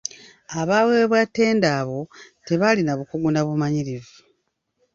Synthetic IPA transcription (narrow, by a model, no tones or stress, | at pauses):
aβawe̞βwatːe̞ːndaːβo̞te̞βalinaβukuɡunaβumaɲiɾivu